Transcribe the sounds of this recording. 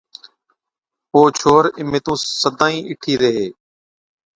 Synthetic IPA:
oːt͡ʃʰoːɾɪmeːt̪ũːsəd̪aːĩːʔɪʈʰiːɾəɦeː

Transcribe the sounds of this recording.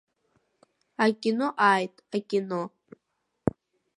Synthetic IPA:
akʲʼɪnoʔaːjtʼakʲʼɪno

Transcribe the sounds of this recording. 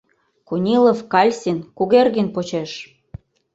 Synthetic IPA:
kunʲilofkɑlʲsʲinkuɣerɣənʲpot͡ɕeʃ

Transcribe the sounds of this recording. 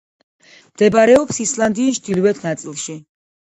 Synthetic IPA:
md̪̥ɛbaɾɛɔpsislˠand̪iːt͡ʃʰd̪̥ilˠwɛt̪ʰnat̪sʼilˠʃi

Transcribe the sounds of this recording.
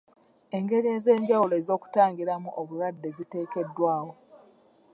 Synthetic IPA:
e̞ŋɡe̞ɾie̞ze̞ːɲɟawuloezo̞ːku̥taːŋɡiɾamuʔoβuɾwadːe̞zite̞ːke̞dːwaːwo̞

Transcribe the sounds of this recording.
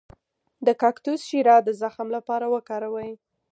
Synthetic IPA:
d̪əkɑkt̪usʃiɾɑd̪əzaxmlapɑɾawəkɑɾawəj

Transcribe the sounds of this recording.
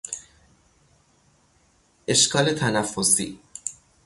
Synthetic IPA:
ʔe̞ʃkʰɒːle̞t̪ʰænæfːosḭː

